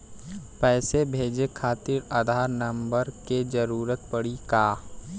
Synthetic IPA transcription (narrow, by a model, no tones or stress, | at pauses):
pɛːsebʱeːd͡ʒekʰaːt̪iɾad̪ʱaːɾnɐ̃mbəɾked͡ʒəɾuːɾət̪̚pəɽikaː